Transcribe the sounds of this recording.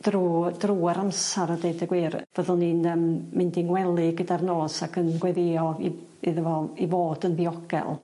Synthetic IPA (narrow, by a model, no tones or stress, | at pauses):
d̥ruːdruːaɾamsaɾədejdəɡwiːrv̥əðʊlˠniːnəːmːɪndiŋwɛlˠɪɡədarnoːsakʰənɡwɛðɪɔi | ɪðəvɔivoːd̥ənbiɔɡ̥ɛ̰lˠ